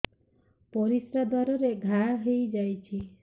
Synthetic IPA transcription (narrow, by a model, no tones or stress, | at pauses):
pɔɾisɾad̪ʱaɾɔɾeɡʱaɦejd͡ʒajt͡ʃʰi